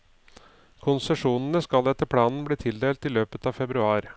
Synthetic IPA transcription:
kʰʊnsɛʂuːnənəskɑlɛt̪ːəɾpʰɽɑːnn̩bɽiːt̪ʰɪld̪eːlt̪ɪløːpət̪ɑːʋfɛbɾʉɑːɾ

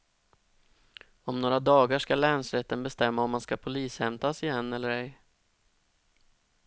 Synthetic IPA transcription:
ɔmnoːɾad̪ɑːɡaʂkalɛːnsɾɛt̪ːənbɛst̪ɛmːaɔmːanskapʰʊliːshɛmt̪asɪjɛnːɛlːəɾɛj

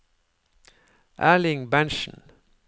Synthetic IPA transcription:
ʔa̰lɪ̃ŋbæ̃nʃə̃n

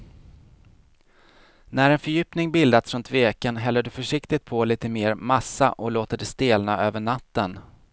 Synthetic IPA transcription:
næɾɛnfœɾjy̟ːpnɪŋbɪld̪at̪sɾɵnt̪veːkənɦɛlːəɖɵfœʂɪkt̪ɪt̪̚pʰɔliːt̪əmeːɾmasːa̰ʔɔloːt̪əɖɛst̪eːlnaʔøːvəɳat̪ːən

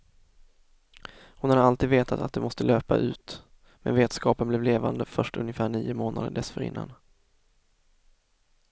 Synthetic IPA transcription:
hʊnhad̪əalt̪iːd̪veːt̪ʰat̪at̪̚d̪ɛmɔst̪əløːpa̰ʔʉ̟ːt̪ | mɛ̰nveːt̪skɑːpənblɛvleːvand̪əfœʂʈɵnjəfæːɳiːʊmoːna̰d̪əɖɛsfœɾɪ̰nːa̰n

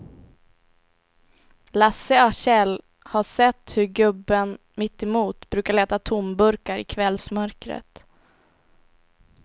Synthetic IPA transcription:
lasəaɕɛl | haʂɛt̪ːhɵɾɡɵbːən | mɪt̪ːɛmuːt̪bɾʉ̟ːkaɭɛːt̪at̪ʰʊmbɵɾkaɾɪ̰kʰvɛlsmœɾkɾə̰t̪

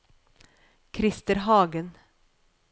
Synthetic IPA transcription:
kʰɾɪst̪əɾɦɑːɡən

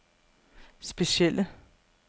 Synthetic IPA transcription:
sb̥esielʔə

